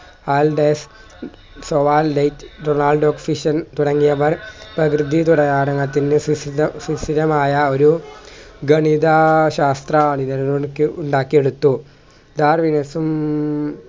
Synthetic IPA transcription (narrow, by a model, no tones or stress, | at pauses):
aːlɖeːs | soʋaːllɐjtːɖonaːlɖoːkfiʂɐnt̪uɽɐŋːijɐʋɐrprɐkrɨd̪ʱit̪uɽɐjaːɽɐŋːɐt̪ːinːɨsiɐsisiɾɐmaːjɐo̞ɾu | ɡɐɳid̪ɐɕaːst̪rɐaːɳinɐɾɐnuɳkːɨuɳɖaːkːije̞ɽut̪ːu | d̪aːrʋinɐsum